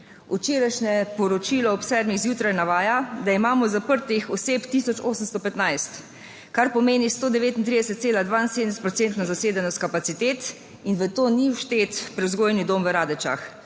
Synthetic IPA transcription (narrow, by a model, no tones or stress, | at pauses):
ut͡ʃeːɾajʃnɛpɔɾɔt͡ʃilɔɔpsɛɾmiɣzjuːt̪ɾajnaʋaːjad̪aimaːmɔzapəɾt̪ixɔseːpt̪isɔt͡ʃoːsəmst̪ɔpɛt̪najst̪ | kaɾpɔmeːnist̪oːd̪ɛʋeːt̪int̪ɾid̪ɛsɛt̪̚seːlad̪ʋaːnsed̪nsɛt̪pɾɔt̪ent̪nazaseːd̪ɛnɔst̪̚kapat̪sit̪eːt̪ | inʋət̪oːniwʃt̪eːt̪pɾɛwzɡoːjnid̪omʋəɾaːd̪ɛt͡ʃa̰x